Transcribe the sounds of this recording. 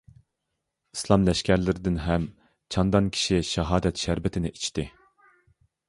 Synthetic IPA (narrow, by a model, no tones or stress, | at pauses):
i̥slˠɑmlɛʃkʲæɾlɪɾɪd̪ɪnɦɛm | t͡ʃʰɑnd̪ɑnkʲʰi̥ʃiʃɛɦɑːd̪ɛt̪ʃæɾbɪt̪ʰɪnɪʔit͡ʃʰt̪ɪ